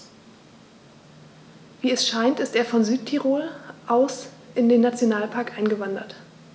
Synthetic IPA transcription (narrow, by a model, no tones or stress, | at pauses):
viːɛsʃaɪntɪsteːɐfɔnzyːt̚tʰiʁoːlʔaʊsʔɪndeːnːat͡sjonaːlpʰaɐkʔaɪnɡəvandɐ̰t